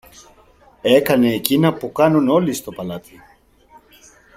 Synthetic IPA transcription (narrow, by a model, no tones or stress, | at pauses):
e̞kɐne̞ːcinɐpukɐnuno̞list̪o̞pɐlɐt̪ʰi